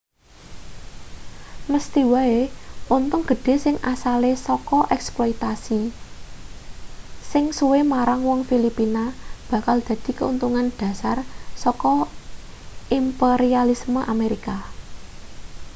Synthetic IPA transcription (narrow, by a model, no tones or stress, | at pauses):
məst̪iwaeunt̪ʊŋɡ̥ə̤ɖ̥e̤sɪŋʔasalesɔkɔʔɛksplɔit̪asi | sɪŋsuwemaɾaŋwɔŋfilipinab̥ä̤kald̪̥ä̤d̪̥i̤kəunt̪uŋanɖ̥ä̤sarsɔkɔ | ʔimpeɾialisməʔameɾika